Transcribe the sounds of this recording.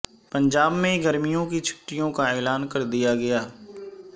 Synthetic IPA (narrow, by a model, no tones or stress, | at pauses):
pə̃ɲd͡ʒaːbmẽɡɐɾmijõkit͡ʃʰʊ̥ʈːijõkaeːlaːnkɐɾd̪ijaɡɐjaː